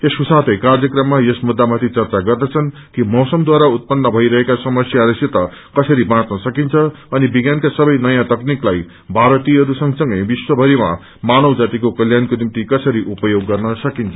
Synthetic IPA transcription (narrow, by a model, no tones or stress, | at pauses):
esusat̪ʌjkard͡zjʌkrʌmːajʌsmud̪ːamat̪ʰit͡sʌrt͡saɡʌrd̪ʌt͡sʰʌn | kimʌsʌmd̪waɾaut̪̚pʌnːʌbʱʌiɾʌɦekasʌmʌsjaɾʌset̪ʌ | kʌsʌɾibãt͡snʌsʌkint͡sʰʌ | ʌnibiɡjankasʌbʌjnʌjãt̪ʌkniklaj | bʱaɾʌt̪iɦʌɾusʌŋsʌŋɡʌjbiswʌbʱʌɾima̰ | manʌwd͡zat̪ikokʌljankonimt̪ikʌsʌɾiʔupʌjoɡːʌrnʌsʌkint͡sʰʌ